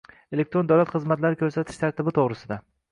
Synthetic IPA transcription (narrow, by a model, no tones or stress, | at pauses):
elek̚t̪ɾo̞nd̪awlat̪χɨzmat̪laɾɪkʰʲɵɾsat̪ʰɪ̥ʃt̪ʰaɾt̪ʰɪbɪt̪ʰoʁɾɪsɪd̪a